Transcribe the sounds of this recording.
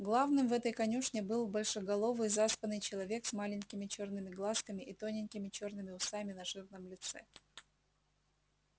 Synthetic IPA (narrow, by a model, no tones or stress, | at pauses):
ɡlˠavnɨmvɛt̪əjkɐnʲuʂnʲɪbɨlˠbɐlʲʂɨɡɐlˠo̞vɨjzaspənɨjt͡ɕɪlˠɐvʲe̞ksmalʲɪnʲkʲɪmʲɪt͡ɕo̞rnɨmʲɪɡlˠaskəmʲɪʔit̪onʲɪnʲkʲɪmʲɪt͡ɕo̞rnɨmʲɪʊst̪amʲɪnɐʐɨrnəmlʲɪt̪sɛ̰